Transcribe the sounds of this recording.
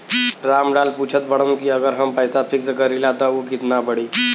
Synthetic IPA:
ɾamɖalput͡ʃʰət̪bəɽ̃əmkiəɡəɾɦəmpəjsapʰikskəɾilat̪ɔukit̪nabəɽi

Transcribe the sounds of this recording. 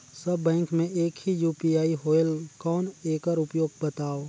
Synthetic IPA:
sɐbːɛ̃ːŋkmẽʔeːkhijuːpiaːiɦoːelkɔːneːkəɾʊpjoːɡ̚bət̪aːoː

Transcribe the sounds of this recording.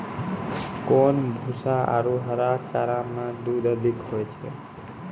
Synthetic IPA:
konbʱusaa̰ɾoɦəɾat͡ʃaɾamãd̪ud̪əd̪ikɦojt͡ʃʰḛ

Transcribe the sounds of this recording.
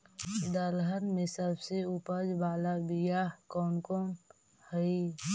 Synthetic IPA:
d̪əlɦənmẽsəbseupəd͡ʒbaːlabijakɔːnkɔːn | həi

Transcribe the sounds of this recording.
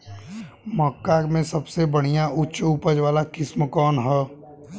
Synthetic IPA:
mɔkːakmẽsəbsebəɽ̤̃ijãʔʊtːʃuːpəd͡ʒʋaːlakɪsmkɔːnɦɛː

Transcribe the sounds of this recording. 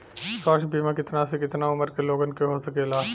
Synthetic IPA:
sɔːʃbiːmãkɪt̪nasekɪt̪naʊməɾkeloːɡənkeɦosɐkeːlaː

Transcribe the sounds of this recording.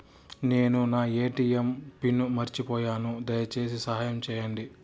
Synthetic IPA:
ne̞ːnunaːeːʈiːempinːumɐɾt͡ʃipɔːjaːnud̪ɐjɐt͡ʃe̞ːs̬isɐɦaːjɐmt͡ʃɛːjɐɳɖi

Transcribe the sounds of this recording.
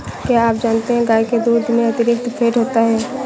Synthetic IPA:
kjaːaːp̚d͡ʒaːnt̪eɦɛ̃ɡaːeked̪uːd̪ʱmẽɐt̪ɪɾɪk̚t̪pʰeːʈɦoːt̪aɦɛː

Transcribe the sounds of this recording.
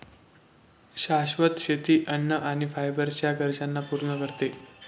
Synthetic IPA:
ɕaɕʋət̪ɕet̪iːʔənːəʔaɽ̃ifajbəɾt͡ɕjaɡəɾd͡ʑanːapuɾɳəkəɾt̪e

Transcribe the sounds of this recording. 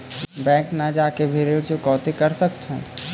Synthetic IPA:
bɛ̃ːknad͡ʒaːkebʱeːɾeɾd͡ʒokɔːt̪ekɐɾsəkt̪ɦɛ̰̃ː

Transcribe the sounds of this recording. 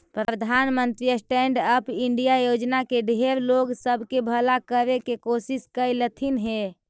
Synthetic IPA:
pɾəd̪ʱanmənt̪ɾiəsʈɛɳɖəpiɳɖijajod͡ʒnakeɖʱeɾloɡsəbʱkebʱəlakəɾekekosiskəjlət̪ʰinɦe

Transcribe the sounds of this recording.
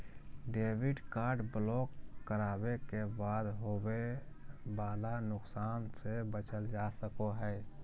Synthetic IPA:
ɖeːwɪɖkaːɾɖblɔːkːəɾaːbekebaːd̪ɦowe | baːlanʊksaːnsebət͡ʃəld͡ʒaːsəkoɦɛː

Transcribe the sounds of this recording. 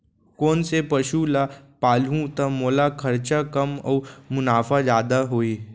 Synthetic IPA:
kɔːnsepɐʃulapaːlũt̪ɐmoːlakʰɐɾt͡ʃakɐmɔ̰ːmʊnaːfʰad͡ʒjaːd̪aɦoːiː

